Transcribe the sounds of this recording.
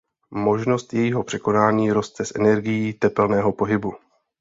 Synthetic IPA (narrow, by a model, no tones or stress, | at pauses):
mo̞ʒno̞st̪jɛjiːɦo̞pr̥ɛko̞naːɲiːɾo̞st̪ɛsʔɛ̰nɛɾɡɪjiːt̪ɛpɛlnɛːɦo̞po̞ɦɪbu